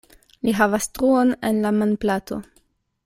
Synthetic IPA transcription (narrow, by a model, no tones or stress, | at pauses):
liɦavastɾuo̞ne̞nlamanplato̞̰